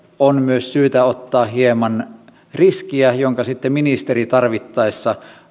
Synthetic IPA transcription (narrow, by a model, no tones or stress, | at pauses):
onmyøssyːt̪æot̪ːɑːɦiemɑn | riskiæjoŋkɑsit̪ːeminist̪erit̪ɑrʋit̪ːɑesːɑ